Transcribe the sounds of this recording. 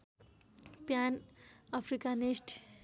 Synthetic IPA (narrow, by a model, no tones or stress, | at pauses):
pjanapʰɾikanisʈ